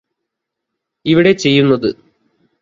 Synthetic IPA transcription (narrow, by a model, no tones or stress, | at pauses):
iʋiɽe̞t͡ɕe̞jːunːɐðɨ